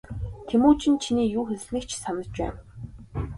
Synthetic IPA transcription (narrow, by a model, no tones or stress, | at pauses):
t̪ʰemuːt͡ɕʰĭnt͡ɕʰiniːjuːxes̆ʲɮnĭːkt͡ɕsanə̆t͡ɕpæ̰ːn